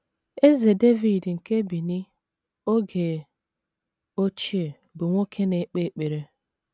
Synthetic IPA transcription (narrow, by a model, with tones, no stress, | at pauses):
e˦ze˨de˦vi˨dŋ̩˨ke˦bi˨ni˦ | o˦ɡe˨ | o˦t͡ʃi˦e˨ | bʊ˨ŋʷo˦kʰe˦ne˨˦k͡pe˦k͡pe˨ɾe˦